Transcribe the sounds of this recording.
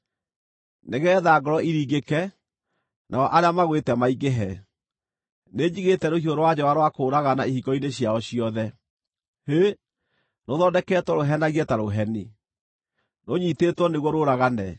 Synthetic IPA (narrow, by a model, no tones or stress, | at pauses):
neɣɛːðaɡɔɾɔiɾiːɣekɛ | nʔa̰ɔʔaɾeamaɣwetɛmaiɡeɦɛ | neɲiɣetɛɾohioɾowad͡ʑɔwaɾwakoːɾaɣanaihiɡɔineɕjaɔɕiɔðɛ | he | noðɔndɛkɛtwɔɾoɦɛnaɣiɛtaɾoɦɛni | noɲitetwɔneɣwɔɾoɾaɣanɛ